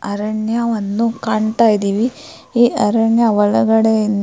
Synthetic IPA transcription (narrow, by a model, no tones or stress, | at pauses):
ɐɾɐɳjaʋɐnd̪ukaːɳt̪aːjid̪iːʋi | iːʔɐɾɐɳjaʋɐɭɐɡɐɽen